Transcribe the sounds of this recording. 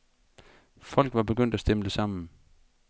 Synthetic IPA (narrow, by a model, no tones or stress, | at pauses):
fɒ̽l̰ɡ̥ʋɑ̈b̥e̝ɡ̥øn̰d̥æsd̥eməd̥esɑ̈m̰n̩